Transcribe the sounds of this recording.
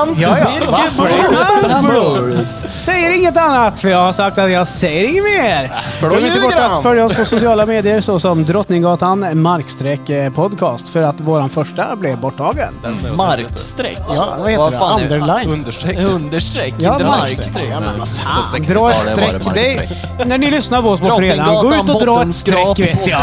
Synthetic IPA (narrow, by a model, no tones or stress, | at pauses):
jɑ | sɛjːəɾɪŋːət̪anːat̪fɔjɑɡhaʂak̚t̪at̪jɑsɛjːəɾɪŋːəmeːɾ | ɛɪəbɔat̪fœljaɔspʰɔsʊsɪɑːlameːd̪ɪəɾsɔsɔmd̪ɾɔt̪nɪŋɡɑːt̪anmaɾkst̪ɾɛkːpʰɔd̪kʰɑːst̪fœɾat̪voːɾanfœʂʈablɪbɔʈʰːɑːɡə̰nmɾkst̪ɾɛ̰kːjvaheand̪əɾlaj̪d̪əɛɵnd̪əʂɾɛjɑːmaɾ | faːd̪ɾɑːɛt̪sɾɛd̪ɛ | næɳɪlʏsnaɾpʰɔɔspʰɔfœɾeːd̪anɡoːʉ̟ːt̪ɔd̪ɾɑːɛt̪st̪ɾɛkː